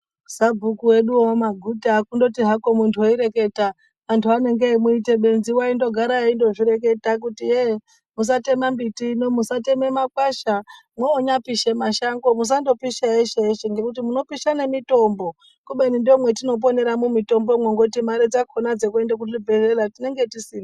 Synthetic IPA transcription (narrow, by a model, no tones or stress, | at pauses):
sabʱukuwe̞ɗuomaɡʱutaːkundo̞tiɦako̞muntʰuoiɾe̞ke̞ta | ʋantʰuane̞ŋɡeaimuite̞ɓe̞nziwaindo̞ɡʱaɾaindo̞ʐiɾe̞k̬e̞tak̬utije | mus̬ate̞mambitiːno̞musate̞me̞makwaʃa | mweoɲapiʃe̞maʃaŋɡo̞mus̬ando̞piʃaeʃeeʃeŋɡe̞kutimuno̞piʃanemito̞mbo̞ | kuɓenindo̞mwetino̞p̬o̞ne̞ɾamumito̞mbo̞mwoŋɡotimaɾid͡zakʰonad͡ze̞k̬ue̞ndek̬utibʱe̞reratine̞ŋɡe̞tisiːna